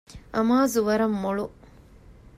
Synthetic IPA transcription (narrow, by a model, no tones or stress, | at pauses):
ʔɐmaːzuʋɐɾɐmːoɭu